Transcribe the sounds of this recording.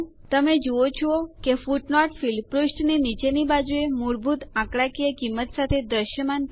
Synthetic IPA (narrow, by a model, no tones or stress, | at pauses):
t̪əmed͡ʒoot͡ʃʰɔokefuʈnɔʈfilpɾusʈninit͡ʃenibad͡ʒuemuɾbʱut̪ãkɽakijəkimːət̪sat̪ʰed̪əʃjəman